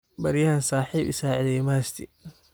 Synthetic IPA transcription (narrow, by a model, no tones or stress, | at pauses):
bɐɾjaːnsaːħiːbɪ̰saːʕɪðɛjmast̪ʰɪ